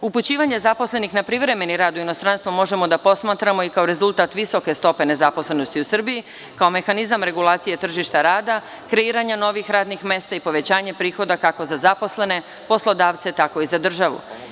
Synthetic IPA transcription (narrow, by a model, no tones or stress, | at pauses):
uput͡ɕiːʋaɲezapo̞sle̞nixnapɾiʋɾe̞me̞niɾaːd̪uino̞st̪ɾanst̪ʋomo̞ʒe̞mo̞d̪apo̞smaːt̪ɾamo̞ikao̞ɾe̞zulˠt̪aːt̪ʋiso̞ke̞st̪o̞pe̞ne̞zapo̞sle̞no̞st̪iusr̩biji | kaome̞xanizamɾe̞ɡulaːt̪sije̞t̪r̩ʒiʃt̪aɾaːd̪a | kɾe̞iːɾaɲano̞ʋixɾaːd̪nixme̞st̪aipo̞ʋe̞t͡ɕaːɲe̞pɾiːxo̞d̪akako̞zazapo̞sle̞ne̞ | po̞slˠo̞d̪aːʋt̪se̞t̪ako̞izad̪r̩ʒaʋṵ